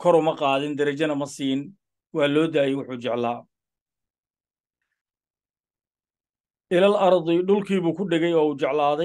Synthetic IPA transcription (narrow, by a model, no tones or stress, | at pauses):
kʰɔɾʊmɐqɑːðɪnd̪ɐɾɐt͡ʃɐnɐmɐsiːn | wɑːlɔːd̪aːjɛjwʊħʊːt͡ʃɛʕlaː | ʔɪlɐlɑɾd̪ɪɖʊlkʰiːβuːkʰʊɖɪɣɛjɔːuːt͡ʃɛʕlaːðɛ